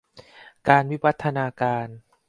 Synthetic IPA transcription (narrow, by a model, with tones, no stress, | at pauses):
kaː˧nwi˦˥wa˦˥t̪ʰːa˧naː˧kaː˧n